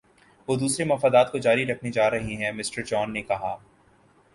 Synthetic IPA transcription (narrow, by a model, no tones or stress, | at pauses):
ʋoːd̪uːsɾemɐfaːd̪aːt̪kod͡ʒaːɾiɾɐkʰnid͡ʒaːɾɐɦiɦɛ̃mɪsʈəɾd͡ʒɔːnːekɐɦaː